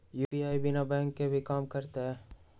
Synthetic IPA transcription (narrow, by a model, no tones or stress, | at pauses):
juːbiaːibɪnabɛ̃ːŋkːebʱikaːmkɐɾt̪eɦɛː